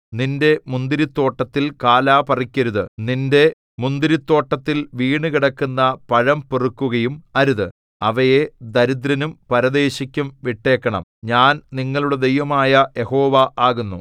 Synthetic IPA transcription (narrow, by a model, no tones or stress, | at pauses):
ninde̞mund̪iɾit̪ːo̞ːʈːɐt̪ːilkaːlaːpɐrikʲːɐɾuðɨninde̞ | mund̪iɾit̪ːo̞ːʈːɐt̪ːilʋiːɳɨkiɽɐkːunːɐpɐɻɐmperukːuɣɐjumɐɾuðɨ | ɐʋɐje̞d̪ɐɾud̪ɾɐnumpɐɾɐðe̞ːɕikʲːumʋiʈːe̞ːkːɐɳɐ̰mɲaːnniŋːɐɭuɽe̞d̪e̞jʋɐmaːjɐje̞ho̞ːʋɐʔaːɣunːu